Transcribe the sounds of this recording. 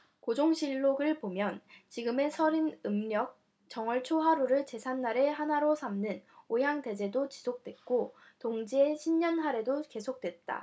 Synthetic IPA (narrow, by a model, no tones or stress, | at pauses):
kod͡ʑoŋɕʰiɭːoɡɯɭpomjʌnt͡ɕiɡɯme̞sʰʌɾinɯmɲjʌk̚ | t͡ɕʌŋʌɭt͡ɕʰoɦaɾuɾɯɭt͡ɕe̞sʰanːaɾe̞ɦanaɾosʰamnɯnojaŋte̞d͡ʑe̞dot͡ɕisʰok̚t͈we̞t̚k͈o | toŋd͡ʑieɕʰimɲʌnɦaɾe̞doke̞sʰok̚t͈we̞t̚t͈a̰